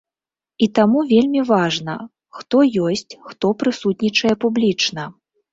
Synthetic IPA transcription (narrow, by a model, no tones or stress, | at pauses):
it̪amuvʲelʲmʲivaʐnɐ̰ | xt̪ɔjɔsʲt͡sʲxt̪ɔpɾɨsut̪ʲnʲit͡ʂɐjɛpublʲit͡ʂnɐ